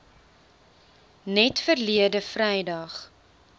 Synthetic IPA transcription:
nɛtfərliədəfrɛjdɐχ

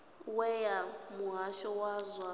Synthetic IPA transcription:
wɛjamuɦaʃɔwazwa

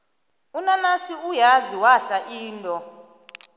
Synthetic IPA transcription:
unanasiujaziwaɬaʔiːntʼɔ

